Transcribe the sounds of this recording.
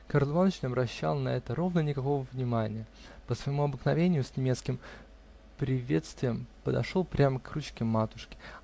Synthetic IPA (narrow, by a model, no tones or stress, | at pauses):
kɐɾlˠvanət͡ɕnʲɪɐbɾɐɕːa̰lˠnɐ̰ɛt̪əɾo̞vnənʲɪkɐko̞vəvnʲɪmanʲɪjə | pəsvəjɪmuɐbəknɐvʲenʲɪjʊsʲnʲɪmʲet̪skʲɪm | pɾʲɪvʲe̞t̪st̪vʲɪjəmpəd̪ɐ̰ʂo̞lˠpɾʲaməkrut͡ɕkʲɪmːat̪ʊʂkʲɪ̥